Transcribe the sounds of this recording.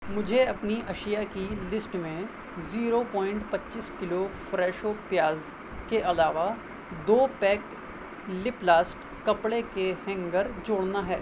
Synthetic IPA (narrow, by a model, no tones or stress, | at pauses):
mʊd͡ʒʱeɐpniʔɐʃijakilɪsʈmẽ | ziːɾopɔ̃ːɪ̃ɳʈpɐtːʃiːskɪlofɾɛːʃopjaːz | keʔɐlaːʋa | d̪oːpɛːk | lɪplaːsʈ | kɐpɽekehɛ̃ŋɡəɾd͡ʒoːɽnaɦɛː